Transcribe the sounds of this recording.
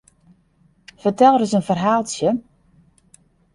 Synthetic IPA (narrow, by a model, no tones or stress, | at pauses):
fərtɛlˠrəsənfərɦaːlˠsjə